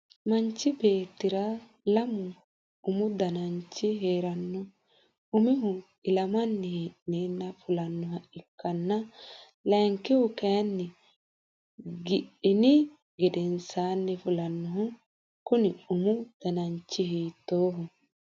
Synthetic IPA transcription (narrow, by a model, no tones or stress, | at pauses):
mɐɲt͡ʃːɪbeːt̪ːɪɾa | lɐmʊ | ʊmʊd̪ɐnɐɲt͡ʃːɪɦeːɾɐnːʊ | ʊmɪɦʊ | ɪlɐmɐnːɪhiʔneːnːɐfʊlɐnːʊhɐɪkːɐnːɐ | lɛːŋkɪhʊkɛːnːɪ | ɡɪᶑɪnɪ | ɡɛd̪ɛnsaːnːɪfʊlɐnːʊhʊ | kʊnɪʊmʊd̪̥ɐnɐɲt͡ʃːɪhiːt̪ːoːhʊ